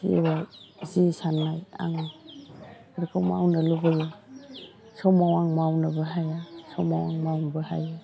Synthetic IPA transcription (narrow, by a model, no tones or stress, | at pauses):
ḭbazisanːaja̰ŋ | aɾikʰɔwma̰wnalubazɔ | sɔmawaŋmawnɯbɯɦajasɔmawa̰ŋmawnbɯha̰ja